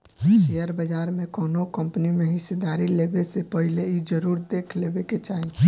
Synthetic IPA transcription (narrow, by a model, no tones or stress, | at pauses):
ʃejəɾbəd͡ʒaɾmekɔːnokəmpnimeɦɪsed̪aɾilebesepəɦileid͡ʒəɾuːɾd̪ekʰlebeket͡ʃaɦi